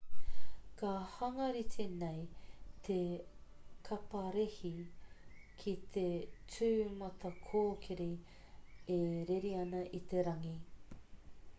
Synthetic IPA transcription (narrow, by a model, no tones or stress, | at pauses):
kahɐŋɐɾit̪ʰenejt̪ʰe | kʰɐpɐɾehi | kʰit̪ʰet͡sʉːmɐt̪ʰɐkʰoːkʰeɾe | eɾeɾiɐnɐʔit̪e̞ɾɐŋi